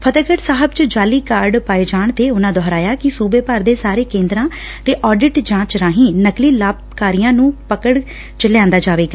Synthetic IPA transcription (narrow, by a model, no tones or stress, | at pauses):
pʰət̪əkəʈsaːɦəbt͡ʃəd͡ʒaːliːkaːɾɖpaːed͡ʒaːɳt̪eːʊnãːd̪ɔɦɾaːjaːkɪsuːbeːpəɾd̪eːsaːɾeːkẽːnd̪ɾãː | t̪eːʔɔːɖɪʈd͡ʒãːt͡ʃɾãːɦĩːnəkliːlaːb̚ | kaːɾijãːnũːpəkəɽ | t͡ʃəljãːnd̪aːd͡ʒaːʋeːɡaː